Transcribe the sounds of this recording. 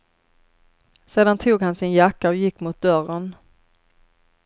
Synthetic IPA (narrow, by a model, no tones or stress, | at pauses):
seːd̪ant̪ʰuːɡhansɪnjakːaɔjɪkːmʊt̪̚d̪œɾən